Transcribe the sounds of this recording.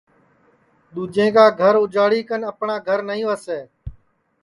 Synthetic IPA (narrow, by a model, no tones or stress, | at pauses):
ɗ̪uːd͡ʒẽːɡaːɡʱəɾʊd͡ʒaːɽiːkənəpɳaːɡʱəɾnəĩːʋəseː